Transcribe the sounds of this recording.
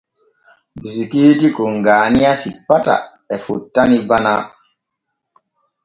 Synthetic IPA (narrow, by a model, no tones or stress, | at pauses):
zukiːtikɔŋɡaːnijasipːata̰ | ɛfṵtːanibana